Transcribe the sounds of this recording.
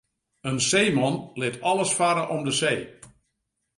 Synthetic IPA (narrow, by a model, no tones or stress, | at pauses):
ənseːmɔnlɪtʰɔlˠəsfaɾəʔɔmdəseː